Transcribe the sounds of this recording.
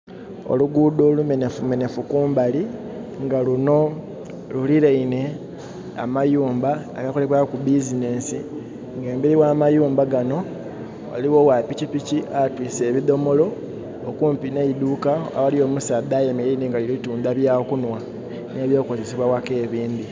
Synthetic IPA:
o̰luɡuːd̪o̞ːlume̞ne̞fume̞ne̞fukuːmbali | ŋɡaluno̞ | luliɾeine̞ | a̰majuːmbaaɡakoleβwakubizine̞ːsi | ŋɡe̞ːmbiɾiwaːmajuːmbaɡano̞ | a̰liwo̞wapicipiciʔatwiːse̞ːβido̞mo̞lo̞ | okuːmpineid̪ukaa̰walio̞ːmusaːd̪ajemileineŋɡalilituːndaβjaːkunwa | neːβjo̞ːko̞ze̞siβwawake̞ːβiːnd̪i

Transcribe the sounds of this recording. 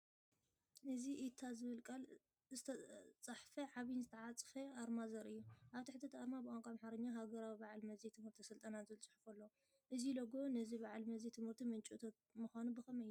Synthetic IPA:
ɨziʔit̪ʰːazɨβɨlkʼɐl | zɨt̪ʰɐt͡sʼɐħfɐʕaβnzɨt̪ʰɐʕat͡sʼɨ̥xeʔaɾmazɐɾʔɨjːuʔaβt̪ʰiħɨt̪ʰːɐt̪ʰaɾmabkʼaŋkʼamħaɾɐɲːaɦaɡɐɾawibaʕlmɐzet̪ʰɨmhɨɾt̪ʰisɨlt̪ʼɐnazɨlt͡sʼɨ̥ħfɐlːo | ʔɨzilɐɡo̞nɐziβaʕlmɐzet̪ʰɨmhɨɾt̪ʰimɨnt͡ʃʼut̪ʰɐt̪̚muxʷanubɨxɐmɐɨjːu

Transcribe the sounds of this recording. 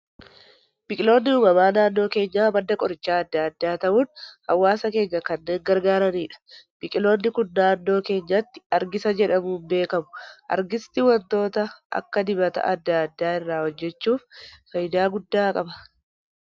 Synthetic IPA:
b̥ɪkʼɪlo̞ːnːɪuːmɐmaːnaːnːo̞ːke̞ːɲːaːbɐd̪ːɐkʼɔɾɪt͡ʃːaːɐd̪ːaɐd̪ːaːt̪ɐʔuːnhɐwːaːsɐke̞ːɲːɐkɐnːe̞ːŋɡɐɾɡaːɾɐniːᶑɐ̥b̥ɪkʼɪlo̞ːnːɪkʊnːaːnːo̞ːke̞ːɲːɐt̪ːɪ̥ɐɾɡɪsɐd͡ʒɛᶑɐmuːnbe̞ːkɐmʊ̥ʔɐ̰ɾɡɪst̪ɪwɐnt̪o̞ːt̪ɐʔɐ̰kːɐd̪ɪbɐt̪ɐ̰ʔɐd̪ːaɐd̪ːaːɪrːaːhɔd͡ʒːɛt͡ʃːuːfːɐjd̪aːɡʊd̪ːaːkʼɐbɐ̥

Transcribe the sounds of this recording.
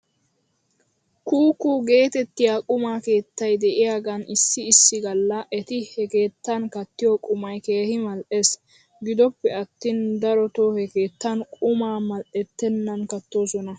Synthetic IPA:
kuːkːuɡe̞ːt̪ɛt̪ːɪjaːkʼʊmaːke̞ːt̪ːɐjd̪ɛʔɪjaːɡɐnɪsːɪːsːɪɡɐlːɐʔɛt̪ɪhɛke̞ːt̪ːɐnkɐt̪ːɪjɔkʼʊmɐjke̞ːhɪmɐlʔes | ɡɪd̪ɔpːɛɐt̪ːind̪ɐɾɔt̪ohɛke̞ːt̪ːɐnkʼʊmaːmɐlʔɛt̪ːɛnːɐnkɐt̪ːo̞ːsɔnɐ

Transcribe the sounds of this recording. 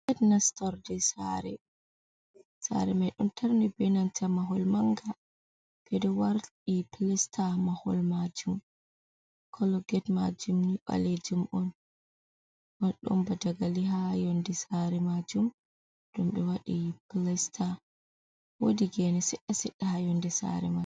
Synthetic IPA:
ɡɛtnastɔɾdɛsa̰ɾɛ | sa̰ɾɛmajɗumtʰaɾnɛbɛnantʰamaɦɔlmaŋɡa | b̥ɛdɛwaɾtiplɛstʰamahɔ̰lmad͡ʒum | kʰɔlɔɡɛtmad͡ʒumniɓa̰led͡ʒumʔɔn | ɔɗɔ̰mbadaɡaliɦajɔndɛsaɾɛmad͡ʒum | d̥umɓɛwaɗiplɛstʰa | wodiɡɛnɛsɛɗːasɛɗːahajɔndɛsa̰ɾɛmad͡ʒ

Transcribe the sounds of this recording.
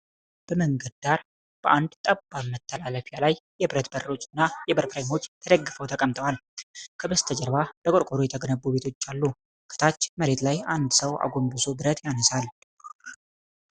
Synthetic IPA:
b̥əməŋɡəd̪̚d̪aɾ | b̥əʔand̪t̪ʼəbːalmət̪ʰːəlaləfjalajːɛbɨɾət̪bəɾːo̞t͡ʃʼɪnːajɛbəɾpɾejmo̞t͡ʃːt̪ʰəd̪əɡːɨfəwt̪ʰəkʼəmt̪ʼəwalkʰəbəst̪ʰəd͡ʒəɾβab̥əkʼoɾkʼoɾujɛt̪ʰəɡənəbːube̞t̪ʰo̞t͡ʃːalːu | kʰɨ̥t̪ʰat͡ʃːməɾe̞t̪lajand̪səwa̰ɡo̞mbɨsobɨɾət̪janəsal

